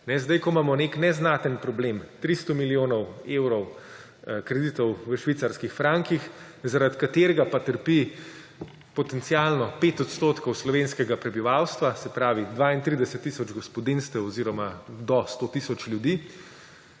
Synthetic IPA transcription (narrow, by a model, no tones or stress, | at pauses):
nɛzd̪ajkɔmaːmɔneknɛznat̪ənpɾɔbleːmt̪ɾist̪ɔmilijoːnɔweːwɾɔw | kɾɛd̪iːt̪ɔwʋəʃʋiːt̪saɾskixfɾaŋkix | zaɾat̪kat̪eːɾɛɡapat̪əɾpi | pɔt̪ɛnt̪sialnɔpeːt̪ɔt̪st̪oːt̪kɔwslɔʋenskɛɡapɾɛbiʋawst̪ʋasɛpɾaːʋid̪ʋaːint̪ɾid̪ɛsɛt̪ːisɔd͡ʒɡɔspɔd̪inst̪ɛwɔziɾɔmad̪ɔst̪ot̪iːsɔt͡ʃlʲjud̪iː